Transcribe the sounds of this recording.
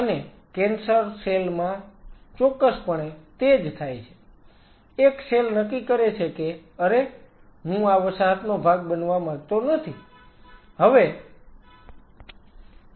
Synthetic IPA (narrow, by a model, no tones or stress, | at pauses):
əne | kɛnsəɾselmãt͡ʃɔkːəspəɳet̪ed͡ʒt̪ʰajt͡ʃʰe̥ | ekselnəkːikəɾet͡ʃʰekeəɾe | ɦũaʋəsaɦət̪nobʱaɡbənʋamãɡt̪onət̪ʰi | ɦəʋe